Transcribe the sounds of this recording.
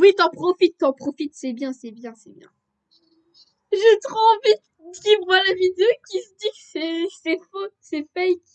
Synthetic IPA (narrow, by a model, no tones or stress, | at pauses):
wit̪ɑ̃pχɔfit̪ːɑ̃pχɔfit̪sɛbjɛ̃sɛbjɛ̃sɛbjɛ̰̃ | ʒət̪ʁɑ̃ːvid̪ | d̪livʁəlavid̪eokʲisəd̪ikəsɛsɛfosɛfɛjk